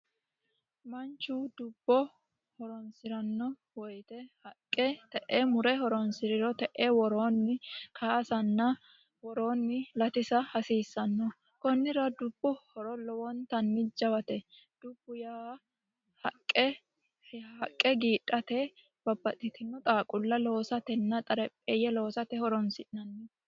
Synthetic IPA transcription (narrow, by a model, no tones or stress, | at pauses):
mɐnt͡ʃːuːd̪ʊbːɔ | hɔɾɔnsɪɾɐnːɔ | wɔjt̪ɛhɐkʼːɛt̪ɛʔeːmʊɾɛhɔɾɔnsɪɾɪɾɔt̪ɛʔeːwɔɾoːnːɪkʰasɐnːɐ | wɔɾo̞ːnːɪlɐt̪ɪsɐhɐsiːsːɐnːɔ | kɔnːɪɾɐd̪ʊb̥ːʊhɔɾɔlɔwɔnt̪ɐnːɪd͡ʒɐwɐt̪ɛ | d̪̥ʊb̥ːʊja | hɐkʼːɛ | hɐkʼːɛɡiːᶑʼɐt̪ɛ | b̥ɐbːɐt̪ʼːɪt̪ɪnːɔt̪ʼaːkʼʊlːɐlo̞ːsɐt̪ɛnːɐt̪ʼɐɾɛpʼːɛjɛloːsɐt̪ɛhɔɾɔnsɪʔnɐnːɛ